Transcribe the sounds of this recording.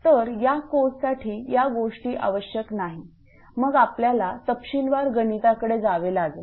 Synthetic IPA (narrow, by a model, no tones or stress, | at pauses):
t̪əɾjakossaʈʰiːjaɡoʂʈiːʔa̰ʋəɕjəknaɦi | məɡapljalat̪əpɕinʋaɾɡənit̪akəɽed͡zaʋelaːɡel